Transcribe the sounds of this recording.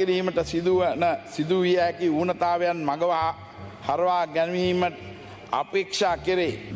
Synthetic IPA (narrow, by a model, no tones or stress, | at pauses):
iɾiːməʈəsid̪uʋənəsid̪uʋijakiuːnət̪aːʋejanmaɡəʋaː | hɐɾɐʋaːɡænʋiːmə | a̰peːkʂaːkiɾe